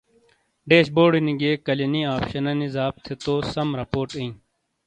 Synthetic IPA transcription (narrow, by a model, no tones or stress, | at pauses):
ɖeːɕboːɽiniɡeːkɐleniaːpɕɐnɐnizaːb̚t̪ʰet̪oːsɐmɾɐpoːɾʈĩĩ